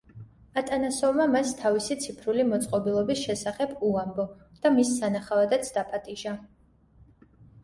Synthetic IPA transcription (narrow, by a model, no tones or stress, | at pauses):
at̪ʼanasɔvmamast̪ʰavisit̪sʰipʰɾulimɔt̪sʼqʼɔbilˠɔbisʃɛsaχɛbuambɔ | d̪̥amisːanaχavad̪at̪sʰd̪apʼat̪ʼiʒa